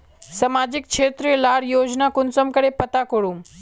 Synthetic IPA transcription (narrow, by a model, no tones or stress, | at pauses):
sɐmaːd͡ʑɪkʃʰeːt̪ɾilaːɽjoːd͡ʑnakʊnsəmkɐɽepɐt̪akoɽũm